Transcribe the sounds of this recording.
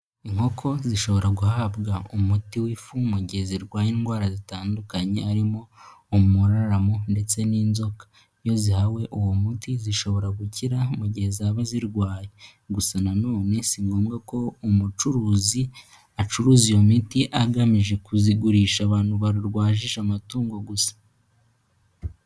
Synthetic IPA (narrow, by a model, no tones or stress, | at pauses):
iŋho̞kʰo̞ziʃo̞βo̞ɾaɡuhaːbɡaumutiwifumuɟiheziɾɡwaːjenɡwaːɾazitaːndukaɲe̞aɾimo̞ːmuɾaɾamonde̞t͡se̞niːnzo̞kḁ | jo̞zihawe̞ʔuwomutiziʃo̞βo̞ɾaɡuciɾamuɟihezaβaziɾɡwaːje | ɡusananoːne̞siŋɡo̞ːmɡako̞umut͡ʃuɾuːzi | at͡ʃuɾuːzijo̞mitiʔaɡamiʒe̞kuziɡuɾiʃaβaːnhuβaɾuɾɡwaːʒiʃamatuːŋɡo̞ɡusḁ